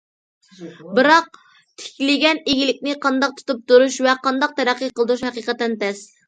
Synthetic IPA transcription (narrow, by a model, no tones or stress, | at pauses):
bɨɾɑq̚ | t̪ʰɪ̥kʲlɪɡʲɛneɡʲilɪkʲnɪqʰɑnd̪ɑq̚t̪ʰu̥t̪up̚t̪uɾuʃvɛqʰɑnd̪ɑq̚t̪ʰɛɾæqːiqəlˠd̪ɾuʃhɛqiqət̪ːɛnt̪ɛs